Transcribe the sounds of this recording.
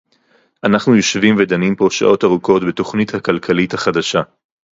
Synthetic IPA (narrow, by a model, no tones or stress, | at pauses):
ʔanaχnujoʃvimvedanimpo̞ʃa̰ʔo̞taʁuko̞tbeto̞χnithakalkʰalithaχadaʃa